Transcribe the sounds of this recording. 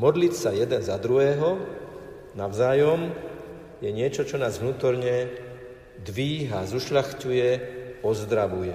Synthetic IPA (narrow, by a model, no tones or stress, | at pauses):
mɔd̪licsajɛd̪ɛnzad̪ɾuɦɛːɦɔ | naʊzaːjɔm | jɛɲɪɛt͡ʃɔt͡ʃɔnaːzʋnuːt̪ɔɾɲɛ | d̪ʋiːɦazuʃʎaxcujɛɔzd̪ɾaʋujɛ